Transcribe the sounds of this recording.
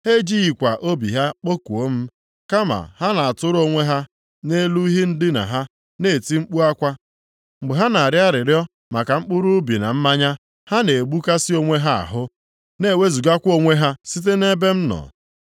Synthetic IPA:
he˦d͡ʒi˦i˨kʷa˨ʔo˦bḭ˨ɦa˦k͡po˦ku˨o˦m̩˦ | ka˦ma̰˨ha˦na˨a˨tʊ˦ɾʊ˦o˦ŋʷe˦ɦa˦ | ne˦lu˦i˦ɦi˦n̩˦dɪ˦na̰˨ɦa˦ | ne˦˨ti˦ŋ͡m̩˦k͡pu˦a˦kʷa˦ | ŋ͡m̩˨ɡ͡be˨ɦa˦na˨a˨ɾja˦ɾɪ˨ɾjɔ˦ | ma˨ka˨ŋ͡m̩˦k͡pʊ˦ɾu˦bi˨na˨m̩˦ma˦ɲa˦ | ha˦ne˨ɡ͡bu˦ka˦si˦o˦ŋʷe˦ɦa˦a̰˨ɦʊ˦ | ne˦˨we˦zu˨ɡa˦kʷo˦ŋʷe˦ɦa˦si˦t̬e˦ne˦be˦m̩˦nɔ̰˨

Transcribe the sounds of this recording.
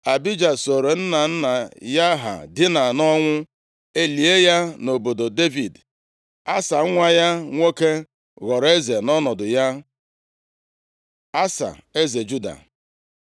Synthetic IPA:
a˨bi˦d͡ʒa˨so˨ɾe˨n̩˦na˨n̩˦na˨ja˦ɦa̰˨dɪ˦na˨nɔ˦ŋʷʊ˦ | e˦li˨e˦ja˦no˨bo˨do˨de˦vi˨d | a˦sa˨˦ŋʷa˦ja˦ŋʷo˦ke˦ | ɣɔ˨ɾe˦ze˨nɔ˦nɔ˨dʊ˨ja˦ | a˦sa̰˨e˦ze˨d͡ʒu˦da̰˨

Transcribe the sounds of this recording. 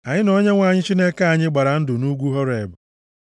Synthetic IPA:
a˨ɲɪ˦nɔ˦ɲe˦ŋʷa˨ɲɪ˦t͡ʃi˦ne˦ka˦a˨ɲɪ˦ɡ͡ba˨ɾa˨n̩˦dʊ˨nu˦ɡʷu˦ɦɔ˦ɾe˨bʊ˨

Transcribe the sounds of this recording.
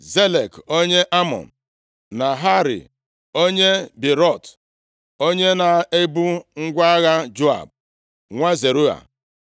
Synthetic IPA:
ze˦le˨ko˦ɲe˦ʔa˦mɔ̰˨n̩˨ | na˨ɦa˦ɾḭ˨ | o˦ɲe˦bi˨ɾɔ˦˨t | o˦ɲe˦na˨e˦bu˦ŋ̩˦ɡʷa˦ɣa˦d͡ʒo˦a̰˨b̚ | ŋʷa˦ze˨ɾu˦a̰˨

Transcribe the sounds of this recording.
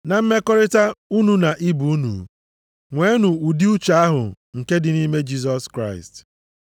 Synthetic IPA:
na˨m̩˦me˦kɔ˦ɾɪ˦ta˦u˦nu˨na˨ʔi˦bu˨u˦nṵ˨ | ŋʷe˦nu˨u˨di˦u˦t͡ʃa˨a˦ɦʊ̰˨ | ŋ̩˨ke˦dɪ˨ni˦me˦d͡ʒi˦sɔ˦skɾa˦ɪ˨st

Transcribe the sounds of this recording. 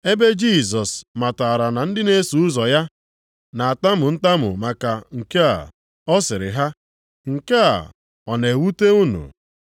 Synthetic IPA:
e˦be˦d͡ʒi˦˨s̬ɔ˨sma˨ta˨ɾa˨na˨n̩˦dɪ˦ne˦su˨˦ʊ˦zɔ˨ja˦ | na˨a˨ta˦mʊ˨n̩˦ta˦mʊ̰˨ma˨ka˨ŋ̩˨ke˦a̰˨ | ɔ˦sɪ˨ɾɪ̰˨ɦa˦ | ŋ̩˨ke˦a̰˨ | ɔ˨ne˨wu˦te˦u˦nṵ˨

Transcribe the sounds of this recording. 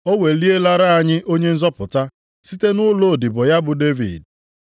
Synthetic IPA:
o˦we˨li˦e˦la˦ɾa˦a˨ɲɪ˦ʔo˦ɲe˦n̩˦zɔ˦pʊ˨ta˦ | si˦te˦nʊ˦lo˦˨dɪ˨bʊ˨ja˦bʊ˨de˦vḭ˨d̚

